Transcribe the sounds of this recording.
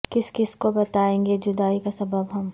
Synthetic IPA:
kɪskɪskobɐt̪aːẽːŋɡed͡ʒʊd̪aːikasɐbəbɦɐm

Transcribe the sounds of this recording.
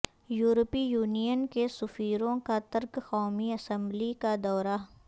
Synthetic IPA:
juːɾpijuːnijənkesʊfiːɾõkat̪ɐɾkxɔːmiɐsə̃mblikad̪ɔːɾa

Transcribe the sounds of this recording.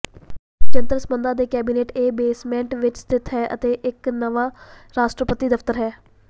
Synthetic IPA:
t͡ʃənt̪əɾəsbənd̪ãːd̪eːkɛːbiːneːʈeːbeːsmɛ̃ːɳʈʋɪt͡ʃt̪ɪt̪ʰɦɛːʔə̰t̪eːʔɪknəʋãːɾaːʃʈɾəpət̪iːd̪əft̪əɾɦɛː

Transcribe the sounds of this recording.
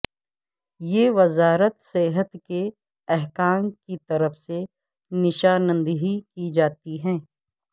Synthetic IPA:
jeːʋɐzaːɾət̪seːɦət̪ke | ɛɦkaːmkit̪ɐɾəfse | nɪʃaːnə̃nd̪ɦikid͡ʒaːt̪iɦɛ̃ː

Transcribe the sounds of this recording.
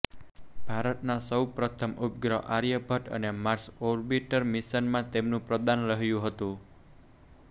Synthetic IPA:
b̥aɾət̪̚nasɔupɾɔt̪ʰəmʔup̚ɡɾɔʔaɾijəbat̪ə̰nemarsɔrbiʈərmisənmat̪emnupɾɔd̪anləɦjuɦət̪u

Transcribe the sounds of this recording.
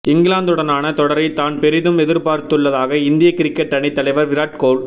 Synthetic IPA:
ɪŋɡɪlaːnd̪ɯɽɐnaːnɐt̪ɔɽɐɾɐɪt̪aːnpɛɾɪðɯmɛðɪɾpaːɾt̪ɯɭːɐðaːɣɐɪnd̪ɪjɐkɪɾɪkːɛʈːɐɳɪt̪ːɐlɐɪʋɐɾʋɪɾaːʈ̚koːl

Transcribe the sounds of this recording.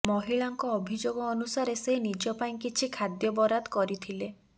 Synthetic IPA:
mɔɦiɭaŋkɔːbʱid͡ʒoɡɔːnusaɾeseɦinid͡ʒɔpaĩkit͡ʃʰikʰad̪jɔbɔɾad̪kɔɾit̪ʰile

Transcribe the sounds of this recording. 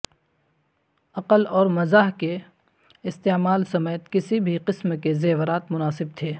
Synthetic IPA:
ɐqəlɔːɾmɐzaːɦke | ɪst̪eːmaːlsɐmɛːjət̪kɪsibʱiqɪsmkezeːʋɾaːt̪mʊnaːsɪb̚t̪ʰeː

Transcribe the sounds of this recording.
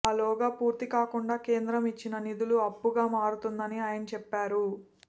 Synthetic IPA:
aːlɔːɡaːpuːɾt̪ikaːkuɳɖaːke̞ːnd̪ɾɐmit͡ʃːinɐnid̪uluɐpːuɡaːmaːɾut̪und̪ɐniaːjɐnɐt͡ʃɛpːaːɾu

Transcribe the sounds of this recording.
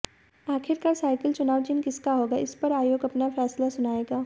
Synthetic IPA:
aːkʰɪɾkaːɾsaːɪkəlt͡ʃʊnaːʋt͡ʃɪnkɪskaɦoːɡaʔɪspɐɾaːjoːɡɐpnafʰɛːslasʊnaːeːɡaː

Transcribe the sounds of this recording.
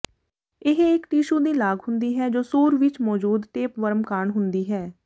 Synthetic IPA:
ɪɦɪkʈiːʃuːd̪iːlaːɡɦʊnd̪iːɦɛːd͡ʒoːsoːɾʋɪt͡ʃmɔːd͡ʒuːd̪ʈeːpʋəɾmkaːɳɦʊnd̪iːɦɛː

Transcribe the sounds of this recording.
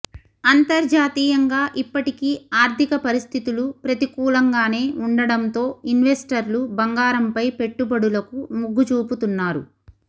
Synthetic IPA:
ɐnt̪ɐɾd͡ʒaːt̪iːjɐŋɡaːʔipːɐʈikiːaːɾt̪ikɐpɐɾist̪ʰit̪ulupɾɐt̪ikuːlɐŋɡaːne̞ːuɳɖɐɽɐnt̪o̞ːinʋesʈɐɾlubɐŋɡaːɾɐmpɐjpe̞ʈːubɐɽulɐkumuɡːut͡ʃuːput̪unːaːɾṵ

